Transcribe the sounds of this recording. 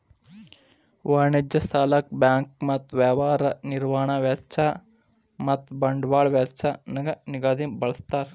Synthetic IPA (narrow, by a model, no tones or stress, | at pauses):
ʋɐɳid͡ʒjɐst̪ʰaːlɐk̚bjaːŋk̚mɐt̪ːʋaːʋaːɾɐniɾʋaːɳɐʋjatt͡ʃʰa | mɐt̪ːbɐɳɖʋaːɭʋjatt͡ʃʰanɐɡɐniɡaːd̪imbɐɭɐst̪aːɾ